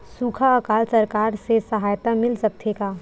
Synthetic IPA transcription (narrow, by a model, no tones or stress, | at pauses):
suːkʰaɐkaːlsɐɾkaːɾsesɐɦaːjt̪amɪlsɐk̚t̪ʰekaː